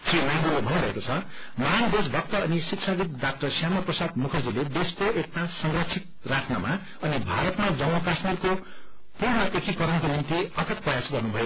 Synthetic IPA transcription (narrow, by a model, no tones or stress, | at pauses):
sʰrimʌjnd̪ulobʱʌniɾʌekot͡sʰʌ | mand̪es̬bʱʌk̚t̪ʌːnisikt͡sʰaɡit̪̚dak̚ʈʌrsjamʌprʌsad̪mukʰʌd͡ziled̪eskoʔek̚t̪asʌŋrʌkt͡sʰik̚ | raʈʰna̰ma | ʌnibʱaɾʌt̪mad͡zʌwɦʌkasmirko | puɾnʌʔekikʌɾʌnkonint̪iʌt̪ʰʌprʌjasɡʌrnubʱʌjo